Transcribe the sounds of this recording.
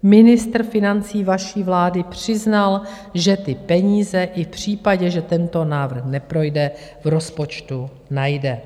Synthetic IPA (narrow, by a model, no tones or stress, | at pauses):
mɪnɪst̪r̩fɪnant͡siːvaʃiːvlaːdɪpr̝̥ɪznal | ʒɛt̪ɪpɛɲiːzɛʔɪfpr̝̥iːpaɟɛʒɛt̪ɛnt̪o̞naːvr̩xnɛpɾo̞jdɛ | vɾo̞spot͡ʃt̪u | najdɛ